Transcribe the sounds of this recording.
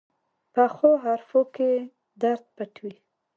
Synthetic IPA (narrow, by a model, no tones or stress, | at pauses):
paxoɦaɾfoke | d̪aɾd̪̚paʈwil